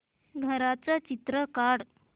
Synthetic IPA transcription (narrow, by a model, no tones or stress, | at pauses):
ɡʱəɾat͡sat͡ɕit̪ɾəkaɽ